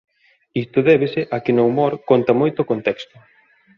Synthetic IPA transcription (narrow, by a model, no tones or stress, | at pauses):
ist̪ʊðɛβ̞esɪʔakɪnoumoɾkont̪ɐmojt̪okont̪ɛkst̪ʊ